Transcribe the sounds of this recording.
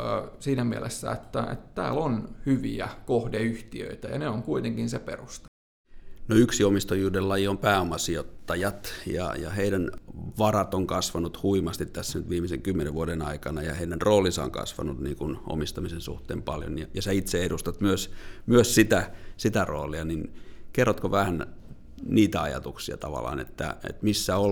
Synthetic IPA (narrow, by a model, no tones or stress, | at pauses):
siːnæmiælesːæ̰et̪ːæḛt̪t̪æ̰ːlonhyʋiækohdeyht̪iø̰it̪æjɑ̰neoŋkuit̪eŋkinseperust̪e̥ | noyksiomist̪ojuːdellɑjiompæːomɑsiot̪ːɑjɑt̪jɑ̰jɑ̰heiɾænʋɑrɑt̪oŋkɑsʋɑnut̪huimɑst̪it̪t̪æsːænyt̪ʋiːmiseŋkymːeneʋʋuoɾenɑikɑnɑjɑheidænroːlisɑo̰ŋkɑ̰sʋɑ̰nut̪niːŋkunʔo̰mist̪ɑmisensṵht̪ḛːmpɑljo̰njɑjɑsɑit̪seedust̪ɑt̪myøsmyøssit̪æsit̪æro̰ːliɑninkerːot̪koʋæhæn | niːt̪æɑjɑ̰t̪uksiɑ̰t̪ɑʋɑ̰lːˑɑ̰ːnḛt̪ːæ̰ḛt̪misːæo